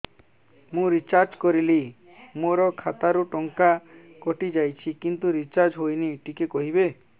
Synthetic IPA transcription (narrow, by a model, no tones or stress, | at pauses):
mũɾit͡ʃaɾd͡ʒkɔɾili | moɾɔkʰat̪aɾuʈɔŋka | kɔʈid͡ʒajt͡ʃʰikint̪uɾit͡ʃaɾd͡ʒɦojniʈikekɔɦibe